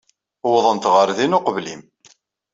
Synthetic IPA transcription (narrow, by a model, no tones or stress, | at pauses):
wðˤənt̪ʁəɾðinʊqəvlim